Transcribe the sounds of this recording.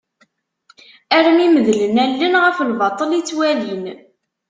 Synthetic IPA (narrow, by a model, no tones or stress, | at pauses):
æɾəmiməðlənælːənʁəfəlvɑt̪ˤəlit͡sːwælin